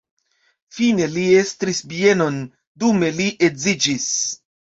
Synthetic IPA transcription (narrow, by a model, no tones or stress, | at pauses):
fine̞liestɾisbie̞no̞n | dume̞liʔezid͡ʒis